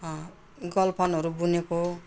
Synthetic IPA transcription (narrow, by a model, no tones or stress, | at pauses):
ɡʌlpʰʌnɦʌɾubuneko